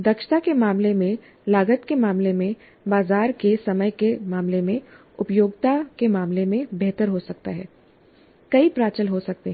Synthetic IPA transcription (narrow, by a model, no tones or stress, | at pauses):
d̪ɐkʃt̪akemaːmlemẽ | laːɡət̪kemaːmlemẽ | baːzaːɾkesɐməjkemaːmlemẽ | ʊpjoːɡt̪akemaːmlemẽbɛɦt̪əɾɦosɐk̚t̪aɦɛː | kɐipɾaːt͡ʃəlɦosɐk̚t̪eɦ